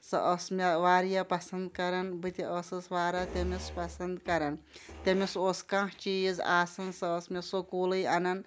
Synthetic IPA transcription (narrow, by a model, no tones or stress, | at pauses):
sɐ̰ʔɐsmʲeʋaːɾjapɐsɐnd̪kɐɾɐnbɨt̪ʲiʔɐsɨsʋaːɾat̪ʲemʲespɐsɐnd̪kɐɾɐnt̪ʲemesoskãht͡ʃiza̰ːsɐnsɐːsmʲesokoːlɐjɐnɐn